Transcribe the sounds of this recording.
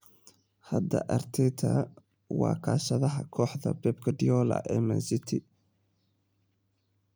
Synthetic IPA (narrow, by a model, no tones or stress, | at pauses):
hɐd̪ɐʔɐrt̪ʰɛt̪ʰɐ | wɑːkʰaːʃɐðɐɦɐkʰɔːħðɐbɛːbkʰɐɖɪjɔːlɐ̰ʔɛːmɐnsɪt̪ʰɪ